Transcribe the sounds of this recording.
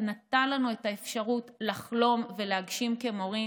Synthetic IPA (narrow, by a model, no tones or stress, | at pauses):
natalanue̞taefʃaʁutlaχlo̞mve̞leaɡʃimkemo̞ʁi